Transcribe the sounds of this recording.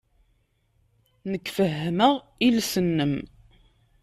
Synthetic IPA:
nəkːfəɦːəməʁ | ilsənːəm

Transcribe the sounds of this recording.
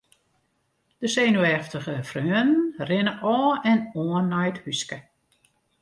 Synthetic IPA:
d̥əseːnuɛftəɣəfrøənn̩rɪnəʔɔːɛnoənːɛjthyskə

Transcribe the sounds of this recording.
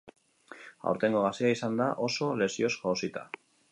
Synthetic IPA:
a̰wɾt̪e̞ŋɡoɣasiaisand̪aʔo̞so̞le̞sio̞skoːsit̪a̰

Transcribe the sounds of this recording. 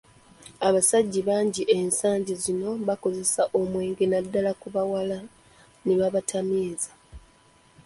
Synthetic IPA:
aβasaɟːiβaːɲɟiʔensaːɲɟizino̞βako̞ze̞saʔomweːŋɡenadːalakuβawala | neβaβatʰamiːza

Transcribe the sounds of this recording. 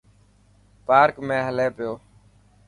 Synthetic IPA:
paːɾkmẽːɦəleːpɪjoː

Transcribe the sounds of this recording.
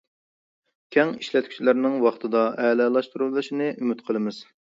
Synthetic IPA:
kʲʰɛŋiʃlɛt̪̚kʲʰy̥t͡ʃʰilæɾnɪŋwɑχt̪ʰɨd̪ɑʔɛːlɛlˠɑʃt̪uɾulˠdˠɨʃinɨʔymyt̪qʰəlˠɨmɨz̥

